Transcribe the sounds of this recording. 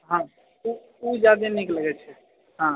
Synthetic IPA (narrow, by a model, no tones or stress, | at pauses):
ɦã | u | ud͡ʒad̪enikləɡɛt͡ʃʰɛ | ɦã